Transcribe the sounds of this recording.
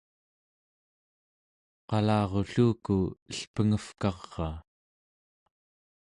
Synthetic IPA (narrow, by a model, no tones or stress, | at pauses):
qɑlɑːʁo̞ɬuːkuəɬpəŋəfkɑʁːɑː